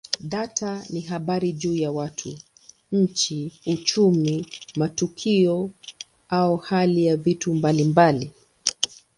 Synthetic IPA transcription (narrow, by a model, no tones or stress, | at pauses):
ɗatʰaniɦaɓaɾiʄuːjawatʰu | ɲ̩t͡ʃiut͡ʃumimatukʰiɔ | aɔhalijavitumbalimbali